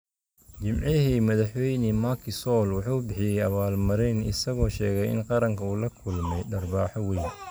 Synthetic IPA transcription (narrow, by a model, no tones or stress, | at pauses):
t͡ʃɪmʕɪɦimɐðɑħwɛjnimɐkʰɪsɔːlwɑħuːbɪħɪjɛjɐβaːlmɐɾɛnɪ̰sɐɣɔːʃɛːɣɛjɪ̰nqɑɾɐŋkʰɐuːlɐkʰʊlmɛjɖɐrbaːħɔwɛjn